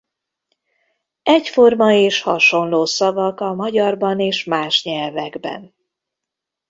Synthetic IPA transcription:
ɛcfo̞rmɒeːʃhɒ̰ʃo̞nloːsɒvɒkɒmɒɟɒrbɒneːʃmaːʃɲɛlvɛɡbɛ̰n

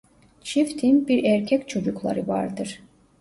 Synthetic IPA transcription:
t͡ʃʰift̪ʰinbiɾæɾcʰɛcʲt͡ʃʰo̞d͡ʒuklˠa̰ɾɯva̰ɾd̪ɯɾ̥

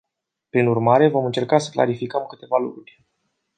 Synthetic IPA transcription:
pɾinurmaɾe̞vo̞mɨnt͡ʃe̞rkasə̥kla̰ɾifikəmkɨt̪e̞valukɾurʲ

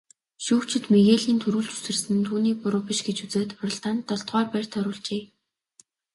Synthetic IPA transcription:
ʃuːkt͡ɕʰɪ̆t̪meɣeːɮiːnt̪ʰɵɾuːɮt͡ɕu̥sɘ̆rsɘ̆nt̪ʰuːniːpʊɾʊːpiʃɡet͡ɕut͡seːt̪ʊɾɞ̆ɮt̪aːnt̪ːɔɮt̪ʁɔːrpær̥ʲt̪ʰœɾʊːɮt͡ɕeː

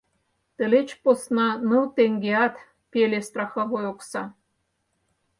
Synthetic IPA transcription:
t̪ə̆let͡ɕposnɑnɤwt̪eŋɡeɑt̪ | pʲelʲest̪rɑxɑβojoksɑ

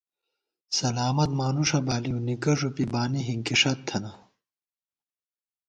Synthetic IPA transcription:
sɐlaːmɐt̪̚maːnuʂɐbaːliunikɐʐupibaːniɦiŋkiʂɐtt̪ʰːɐnɐ

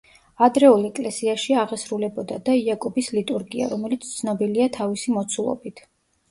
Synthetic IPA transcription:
ad̪ɾɛulˠɛkʼlɛsiaʃiaʁɛsɾulɛbɔd̪ad̪aiakʼɔbislit̪ʼuɾɡia̰ɾɔmɛlit̪sʰt̪sʰnɔbiliat̪ʰavisimɔt̪sʰulˠɔ̰bit̪ʰ

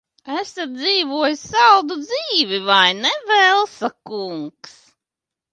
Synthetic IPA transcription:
æsat̪̚d̪ziːvuɔjssawd̪ud̪ziːvʲivajnɛvɛlˠsakuŋks

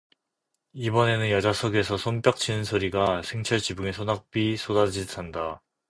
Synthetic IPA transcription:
ibʌne̞nɯnjʌd͡ʑasʰʌɡe̞sʰʌsʰonpjʌk̚t͡ɕʰinɯnsʰoɾiɡasʰe̞ŋt͡ɕʰʌɭt͡ɕibuŋe̞sʰonak̚p͈isʰodad͡ʑiɭtʰanda

